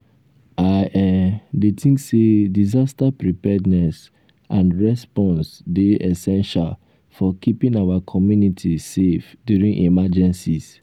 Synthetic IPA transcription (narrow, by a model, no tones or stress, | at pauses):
aʔɛ̃mdetʰĩŋksedizastapɹipɛdnɛs | ãnɹɛspɔ̃nsdeʔɛsɛ̃nʃal | fɔkʰipĩnawakʰɔmjunitʰisefdjuɹĩnʔimad͡ʒɛ̃nsis